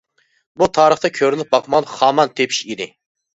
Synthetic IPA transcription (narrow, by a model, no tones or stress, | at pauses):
but̪ʰɑːɾəχt̪ɑkʲʰøɾlɪp̚bɑqmɑʁlˠəχɑːmɑnt̪ʰepʰi̥ʃid̪ɪ